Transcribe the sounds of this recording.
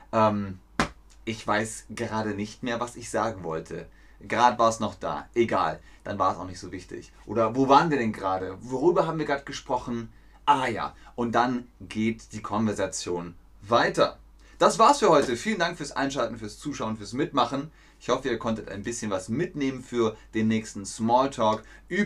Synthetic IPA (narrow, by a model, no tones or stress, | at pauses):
ʔɛːm | ʔɪçv̥aɪsɡ̥əʁaːɾənɪçtmeːɐvasɪçz̥aːɡŋ̩vɔ̰ltʰə | ɡəʁaːdəvaːɐsnɔχd̥a̰ːʔeɡa̰ːl | d̥anvaːɐɛsʔa̰ʊxnɪçtz̥oːvɪçtɪ̰çʔoːɾɐvoːvaːʁənviːɐdɛnɡəʁaːdəvoʁyːbɐhaːbm̩viɐɡʁaːtɡ̥əʃpʁ̥ɔχn̩ | ʔaːja̰ːʔʊnt̚d̥anɡeːtd̥iːkʰɔnvɛɐzat͡sjoːn | vaɪtɐ̰ | d̥asv̥aːɐsfyːɐhɔʏtəfiːləndaŋkfyːɐsʔa̰ɪnʃaltn̩fyːɐst͡suːʃaʊənfyːɐsmɪtmaχən̩ | ʔɪçhɔfəiːɐkʰɔntəta̰ɪnbɪsçənvasmɪtneːmənfyːɐd̥eːnːɛːçstn̩smɔːltʰɔːkʔyː